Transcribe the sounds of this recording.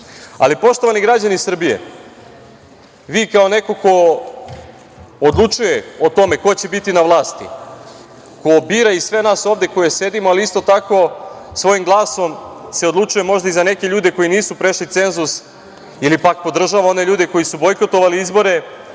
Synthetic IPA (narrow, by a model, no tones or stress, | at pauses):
a̰lipo̞ʃt̪o̞ʋaniɡɾad͡ʑanisr̩bije̞̰ | ʋiːkao̞ne̞ko̞ko̞ | d̪lˠut͡ʃuje̞ot̪o̞me̞ko̞t͡ɕe̞bit̪inaʋlˠaːst̪ḭ | ko̞biːɾaisʋe̞naːso̞ːʋd̪je̞ko̞jese̞d̪imoaliist̪o̞t̪ako̞sʋo̞jimɡlˠaːso̞mse̞od̪lˠut͡ʃuje̞mo̞ʒd̪aizane̞ke̞ʎuːd̪e̞ko̞jiniːsupɾe̞ʃlit̪se̞nzus | ilipak̚po̞d̪r̩ʒaʋao̞ne̞ʎuːd̪e̞ko̞jisubo̞jko̞t̪o̞ʋaliizbo̞ɾe̞